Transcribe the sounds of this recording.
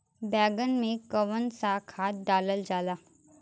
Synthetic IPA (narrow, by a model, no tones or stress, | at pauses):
bɛːɡənmẽkəʋənsaːkʰaːt̪̚ɖaːləld͡ʒaːlaː